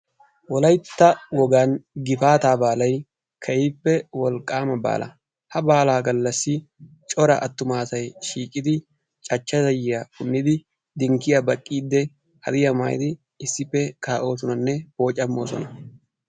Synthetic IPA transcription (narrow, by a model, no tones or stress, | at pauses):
wɔlɐjt̪ːɐwɔɡaːnɡɪfaːt̪aːbaːlɐj | kʰɐjiːpːɛwɔlkʼaːmɐba̰ːlɐ̰ | hɐbaːlaːɡɐlːɐsːɪ | t͡ʃʼɔɾɐʔɐt̪ːʊmaːsɐjʃiːkʼɪd̪ɪ | t͡ʃʼɐt͡ʃːɐzɐjɪjɐkʊnːɪd̪ɪ | d̪ɪŋkːɪjɐbɐkʼːiːd̪ːɛ | hɐ̰d̪ɪjɐma̰ːj̰d̪ɪː | sːɪpːɛkaːʔo̞ːsɔnɐnːɛbo̞ːt͡ʃʼːɐmːo̞̰ːsɔ̰nɐ